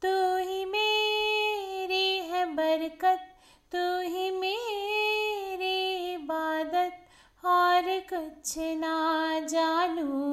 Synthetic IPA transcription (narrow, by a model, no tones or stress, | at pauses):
t̪uɦĩmeː | ɾiɦɛbɐɾkət̪̚ː | uɦĩme | ɾiɪbaːd̪ət̪̚ | ɔːɾkɐt͡ʃʰnad͡ʒaːnu